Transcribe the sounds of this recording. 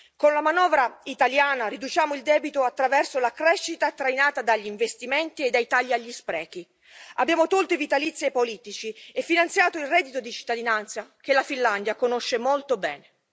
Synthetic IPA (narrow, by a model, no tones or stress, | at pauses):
konlamanɔːvɾait̪aljaːnaɾid̪ut͡ʃaːmoild̪ɛːbit̪oat̪ːɾavɛrsolakɾɛʃːit̪at̪ːɾajnaːt̪ad̪aʎːiɱvest̪imɛnt̪ied̪ːajt̪aʎːiaʎːispɾɛːk̟i | abːjaːmot̪olt̪evit̪alit̪sːepoliːt̪it͡ʃiefːinant̪sjaːt̪oilrɛd̪ːit̪od̪it͡ʃi̥t̪ːad̪inant̪sak̟elːafinland̪jakonoʃːemolt̪obɛːne